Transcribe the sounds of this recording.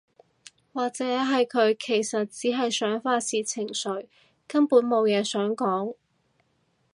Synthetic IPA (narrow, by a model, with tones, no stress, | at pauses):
waː˨k̚t͡sɛː˨˥ɦɐ˨jkʰɵ˨˧ɥkʰe˨˩jsɐ˨t̚t͡siː˨˥ɦɐ˨jsœː˨˥ŋfaː˧t̚siː˨t͡sʰɪ˨˩ŋsɵ˨˥ɥ | kɐ˥mpuː˨˥nmo˨˧wjɛː˨˧sœː˨˥ŋkɔː˨˥ŋ